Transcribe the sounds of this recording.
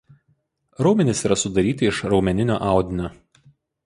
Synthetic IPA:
ɾɒʊmʲɛnʲɪsiːɾɐsʊd̪ɐɾʲiːt̪ʲɪɪʃɾɒʊmʲɛnʲɪnʲo̰ːʔɑˑʊd̪ʲɪnʲoː

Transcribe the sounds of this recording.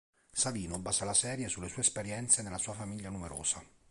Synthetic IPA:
saviːnobaːzalasɛːɾjesulːesuːespeɾjɛnt̪senelːasuːafamiʎːanumeɾo̰ːz̥a

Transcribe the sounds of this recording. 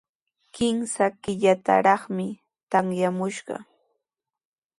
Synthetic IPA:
kɪmsakɪʎat̪a̰ɾɑχmɪ | t̪aŋjamʊʃɢɑ̰

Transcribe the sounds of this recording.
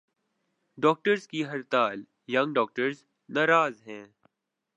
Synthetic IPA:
ɖɔːk̚ʈəɾzkiɦɐɾt̪aːl | jɐ̃ŋɡɖɔːk̚ʈəɾz | naːɾaːzɦɛ̃ː

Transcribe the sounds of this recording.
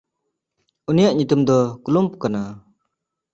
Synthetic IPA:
unijaʔɲut̪umd̪ɔkulumpukana

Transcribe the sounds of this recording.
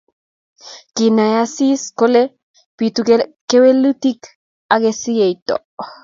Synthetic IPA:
kinajasiskole | pit̪ukekewelut̪ik | aɡesiejt̪o̰

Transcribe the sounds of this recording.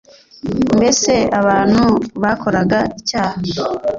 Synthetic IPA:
mbe̞se̞aβaːn̥huβakʰo̞ɾaɡaicaːha

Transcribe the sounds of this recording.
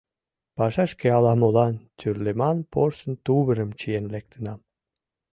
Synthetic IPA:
pɑʃɑʃkeɑlˠɑmolɑnt̪ʰyrlemɑnporsə̆nt̪uβə̆ɾə̆mt͡ɕijenlek̚t̪ə̆nɑ

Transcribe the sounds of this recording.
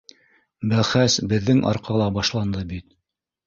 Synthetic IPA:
bælχæsbɘ̆ðːɘŋʔɑ̰ɾqɑlˠɑbɑʃlˠɑnd̪ɤbit̪

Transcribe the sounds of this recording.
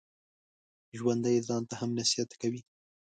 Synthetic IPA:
ʒwand̪ajzɑnt̪ahamnasijat̪kawi

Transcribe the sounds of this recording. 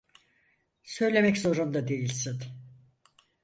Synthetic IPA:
sø̞jlʲe̞mɛczo̞ɾund̪ad̪e̞jilʲsin

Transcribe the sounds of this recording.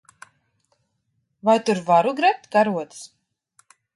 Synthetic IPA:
vajt̪uɾvaɾuɡɾap̚t̪kaɾuɔt̪s

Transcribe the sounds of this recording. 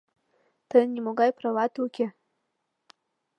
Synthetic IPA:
tʰanimoɡajpʰrawatʰukʲʰɪ

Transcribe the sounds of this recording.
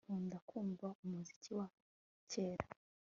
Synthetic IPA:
uːndakʰuːɱvaumuzi̥ciwa | ceːɾa

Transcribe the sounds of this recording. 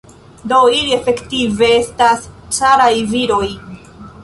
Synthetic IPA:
do̞ilie̞fe̞ktive̞e̞stassaɾajviɾo̞j

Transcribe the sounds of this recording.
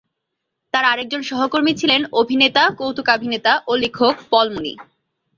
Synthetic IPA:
t̪aɾaɾek̚d͡ʑonʃɔɦokoɾmit͡ɕʰilenobʱinet̪akowt̪ukabʱinet̪aʔolikʰokpɔlmunḭ

